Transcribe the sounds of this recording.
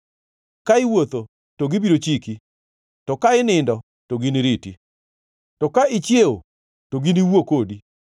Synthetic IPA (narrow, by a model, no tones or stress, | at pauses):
kaɪwot̪o | toɡibiɾot͡ʃiki | tɔkaɪnɪndɔ | toɡiniɾitḭ | tɔkaɪt͡ʃjeo | toɡiniwokodi